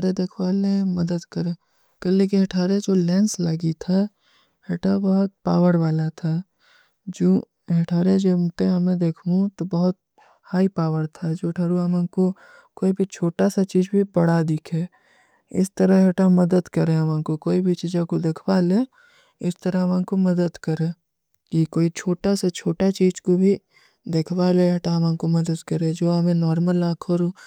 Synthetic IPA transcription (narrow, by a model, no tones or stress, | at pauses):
ɾed̪ekʰwaːlẽmɐd̪əd̪kəɾẽ | kɐlek̬iɦɐʈʰaːɾed͡ʒoːlɛ̃ːnslaːɡit̪ʰa | heʈʰabɐɦʊt̪̚paːwəɾʋaːlat̪ʰa | d͡ʒoː | ɦɐʈʰaːɾẽd͡ʒomt̪ẽɦɐmẽd̪eːkʰmũt̪obɐɦʊt̪̚ | haːipaːʋəɾt̪ʰad͡ʒoːʈʰaːɾuɐmãko | koːibʱit͡ʃʰoːʈasat͡ʃiːzbʱibɐɽ̤ad̪ɪkʰẽː | ɪst̪əɾəɦɦɐʈamɐd̪əd̪kɐɾẽɐmãːkokoːibʱit͡ʃiːzãkod̪ekʰwaːleː | ɪst̪əɾəɦɐmãːnkomɐd̪əd̪kɐɾẽː | kikoːit͡ʃʰoːʈaset͡ʃʰoːʈat͡ʃiːzkobʱi | d̪ekʰwaːleɦɐʈaɦmãːkomɐd̪əd̪kɐɾẽd͡ʒoːɦɐmẽnɔːɾməlãːkʰəɾu